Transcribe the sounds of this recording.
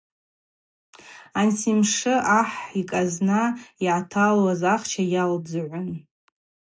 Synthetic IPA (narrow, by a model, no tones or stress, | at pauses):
ansʰimʂɨʔaħikʼaznaiʕatʰalazaχt͡ʃʰajalbzaʕʷʊn